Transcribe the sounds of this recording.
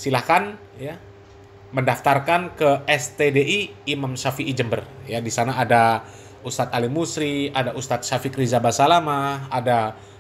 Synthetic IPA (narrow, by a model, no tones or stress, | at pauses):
silahkan | ja | məndaft̪arkankəɛst̪edeʔiːmamsafiːd͡ʒəmbərjadisanaːda | ust̪at̪alimusɾiadaʔust̪at̪̚safikɾizabasalamaada